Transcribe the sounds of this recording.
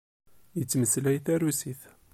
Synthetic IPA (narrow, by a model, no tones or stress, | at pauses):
jət͡sːməslæjθæɾusiθ